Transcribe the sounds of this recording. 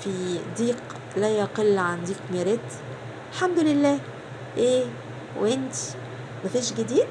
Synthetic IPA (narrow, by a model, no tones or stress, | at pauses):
fid̪iːq | læjæqelːʕand̪iːqmeɾet̪ | lħamd̪ʊlɪlːæː | ʔeː | wʔɪnt̪i̥ | mæfiːʃɡɪd̪iːd̪̚